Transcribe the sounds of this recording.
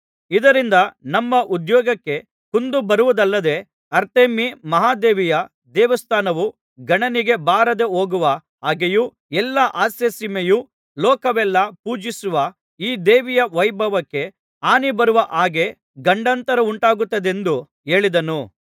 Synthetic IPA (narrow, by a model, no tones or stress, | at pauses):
id̪ɐɾind̪ɐnɐmːɐʔud̪jɔːɡɐkːe̞ | kund̪ubɐɾuʋɐd̪ɐlːɐd̪e̞ | ɐɾt̪eːmimɐɦaːd̪eːʋijɐ | d̪ɛːʋɐst̪ʰaːnɐʋu | ɡɐɳɐniɡe̞baːɾɐd̪e̞oːɡuʋɐ | aːɡeju | ɛlːɐʔaːsesimeju | lɔːkɐʋɛlːɐpuːd͡ʒisuʋɐ | iːd̪eːʋijɐʋɐjbʱɐʋɐkːe̞ | aːnibɐɾuʋɐʔaːɡe̞ | ɡɐɳɖɐnt̪ɐɾɐuɳʈaːɡut̪ːɐd̪e̞nd̪u | e̞ːɭid̪ɐnu